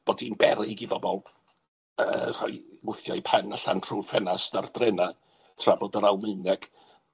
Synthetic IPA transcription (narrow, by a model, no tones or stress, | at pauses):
b̥oːdinbɛɾɪɡibɔbɔlˠ | ər̥ɔ̰ɨwʊθjajpʰanaɬa̰ntʰr̥uːfɛnasdardrɛna | tʰrabodəɾawmɨnɛɡ̥